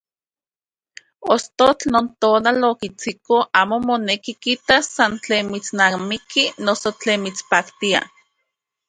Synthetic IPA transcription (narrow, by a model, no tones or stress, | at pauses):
ost̪ot͡ɬnoːnt̪oːnalokit͡sikoʔaːmomonekikit̪asːant͡ɬeːnmit͡snamikinosot͡ɬeːnmit͡spaːkt̪ia̰